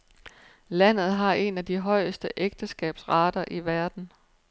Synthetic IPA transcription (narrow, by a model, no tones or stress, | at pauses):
læn̰ð̞̩ˠɦɑ̈e̝næd̥iɦɒ̽ɪ̰əsd̥əʔeɡ̥̚d̥əsɡ̥ɛ̰ːb̥sʁɑ̈ːd̥ɐʔiʋæɐd̥n̩